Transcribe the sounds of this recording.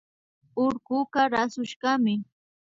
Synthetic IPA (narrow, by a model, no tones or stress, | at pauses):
ʊɾɢʊɢɑɾasʊʃɢɑmɪ